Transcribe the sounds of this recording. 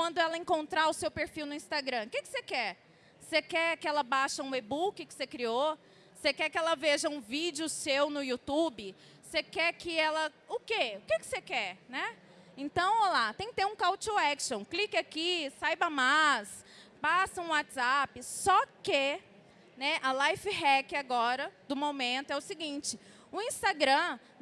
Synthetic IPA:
kwɐ̃nd̪ʊɛlɐẽkõnt̪ɾaɾʊsewpeɾfiwnʊĩst̪aɡɾɐ̃kekɪ̥sekɛɾ | sekɛkɪɛlɐbaʃɐũebukɪkɪ̥sekɾio | sekɛkɪɛlɐveʒɐũvid͡ʒɪʊsewnʊjut̪ubɪ | sekɛkɪɛlɐʊkeʊkekɪ̥sekɛɾnɛ | ẽnt̪ɐ̃w̃olat̪ẽj̃kɪt̪eũkawt͡ʃoɛkʃõw̃klikɪakisajbɐmajs | pasɐũwat͡ʃɪzapɪsɔke | nɛʔɐlajfhɛkɪaɡɔɾɐd̪ʊmomẽnt̪ʊɛʊsɪɡĩt͡ʃɪ | ʊĩst̪aɡɾɐ̃

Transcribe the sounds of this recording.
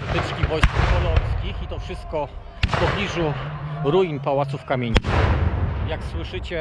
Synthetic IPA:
bɘskʲivɔjskapɔlɔjskʲixit̪ɔfʂɘst̪̚kɔ | fpɔblʲiʐuɾujnpawat̪sufkamʲjeɲixjakswɘʂɘt͡ɕɛ

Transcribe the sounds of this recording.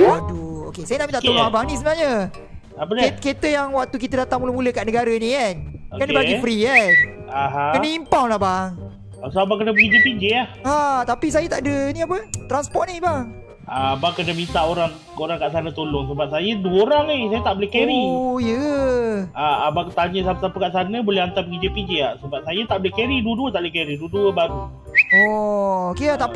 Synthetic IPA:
aduo̰kesajənaʔmit̪aʔt̪oloŋabaŋnis̬əbənaɲə | ap̬ədeket̪əjaŋwak̚t̪uk̬it̪adat̪aŋmuləmuləkaʔnəɡaɾənikanokanəbaɡifɾiɛn | aɦãkənəimpawlahbaŋ | asoabaŋkənabəɡid͡ʒəpid͡ʒeahat̪apis̬ajət̪aʔdəniap̬ət̪ɾanspɔtʔ̚nibaŋ | abaŋkənamint̪aʔoɾaŋ | oɾaŋkaʔsanət̪olɔŋs̬əbap̚sajəduəoɾaŋesajat̪aʔbolehkɛɾijə | aabaŋt̪aɲəsapsapəkaʔsanəbolɛɦant̪apəɡid͡ʒəpiɲd͡ʒeaʔsəbap̚sajat̪aʔbolehkɛɾiduəduət̪aʔblkɛɾiduəduəbaɡu | ɔokeat̪aʔp

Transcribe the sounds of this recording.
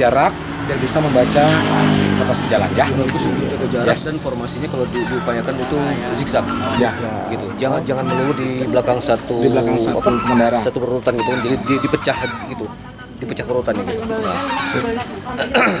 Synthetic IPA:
aɾak̚ | jaŋbisaməmbat͡ʃaəmt̪əpasəd͡ʒala̰njahdaŋit̪usut̪it̪ukəd͡ʒaɾadanfɔrmasiɲakalawdidiupajakanit̪u | siksat̪̚ | ja | əɡit̪ud͡ʒaŋand͡ʒaŋanməliwudiblakaŋsat̪udiblakaŋsaapamənaɾasat̪ubərut̪anɡit̪ukund͡ʒadidipət͡ʃahɡit̪u | dipət͡ʃahbəɾut̪anania

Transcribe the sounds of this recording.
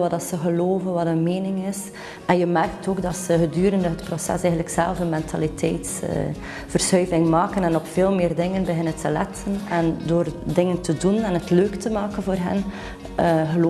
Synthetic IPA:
ʋɑdɑtsəɣəloːvənʋɑdənmeːnɪŋɪs | ɛnjəmɛrk̚toːɡdɑtsəɣədyːɾəndəɦətprosɛ̰sɛːɦən̩ləksɛ̰lˠvənmɛntʰa̰litʰɛ̰jts | v̥ərsœːjvɪŋmaːkənɛnɔpfeːlˠmɪːrdɪŋənbəɦɪnəntəlɛ̰tʰənɛndoːrdɪŋəntədunɛnətløːktəmaːkənvoːrɦə̰n | ɣəlː

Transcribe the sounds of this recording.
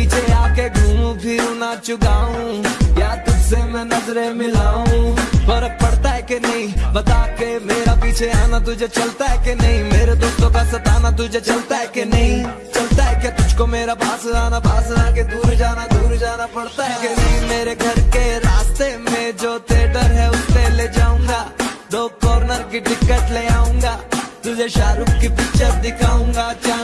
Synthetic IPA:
piːt͡ʃʰeaːkeɡʱuːmpʰɪɾunat͡ʃʊɡaːɦũjaːt̪ʊd͡ʒsemɛ̃nɐzɾemɪlaːũpəɾəpɐɽt̪aɦɛkenɐɦĩbɐt̪akemeːɾapiːt͡ʃʰeaːnat̪̬ʊd͡ʒʱet͡ʃɐlt̪aɦɛkenɐɦĩmeːɾed̪oːst̪õkasɐt̪aːnat̪̬ʊd͡ʒʱet͡ʃɐlt̪aɦɛkenɐɦĩ | t͡ʃɐlt̪aɦɛket̪ʊd͡ʒʱkomeːɾabaːsaːnabaːsaked̪uːɾd͡ʒaːnad̪uːɾd͡ʒaːnapɐɽt̪aɦɛkenɐɦĩmeːɾeɡʱɐɾkeɾaːst̪emẽd͡ʒoːt̪eːɖəɾɦɛʊsteled͡ʒaːũːŋɡad̪oːkɔːɾnəɾkiʈɪkːəʈleaːũːŋɡaːt̪ʊd͡ʒʱeʃaːɾuːk̚kipit͡ʃəɾd̪ɪkʰaːũːŋɡat͡ʃa

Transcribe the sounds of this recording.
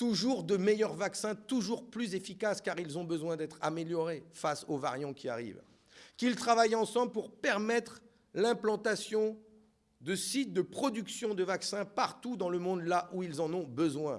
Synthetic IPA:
t̪uʒuʁd̪əmejœʁvaksɛ̃t̪uʒuʁplyzefikaskaʁilzɔ̃bəzwɛ̃d̪ɛt̪χameljɔʁefasovaʁjɑ̃kʲia̰ʁḭv | kilt̪χavajɑ̃sɑ̃blpuʁpɛʁmɛt̪χ | lɛ̃plɑ̃t̪asjɔ̃ | d̪əsit̪̚d̪əpχɔd̪yksjɔ̃d̪əvaksɛ̃paʁt̪ud̪ɑ̃ləmɔ̃d̪laʔuilzɑ̃nɔ̃bəzwɛ̃

